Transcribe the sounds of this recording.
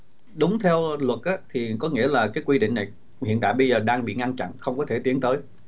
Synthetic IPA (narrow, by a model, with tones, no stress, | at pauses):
ɗʊ˨˦ŋ͡mt̪ʰɛ˧wlwə˨˩t̚ʔaː˨˦t̪ʰi˨˩kɔ˨˦ŋḭ˧˥əlaː˨˩kaː˨˦jkwi˧ɗḭ̈˧˨ŋ̟na˨˩j | hḭ˧˨ənt̪a̰ː˧˨jɓə˧jzəː˨˩ɗaː˧ŋɓḭ˧˨ŋa˧nt͡ɕa̰˧˨nxə˧wŋ͡mkɔ˨˦t̪ʰe˧˩t̪i˨˦ənt̪əː˨˦j